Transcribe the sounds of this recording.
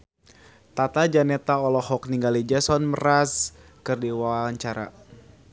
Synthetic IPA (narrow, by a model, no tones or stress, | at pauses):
t̪at̪ad͡ʒanɛt̪aɔlɔhɔk̚niŋɡalid͡ʒasɔnməraskɨrdiwaɲt͡ʃaɾa̰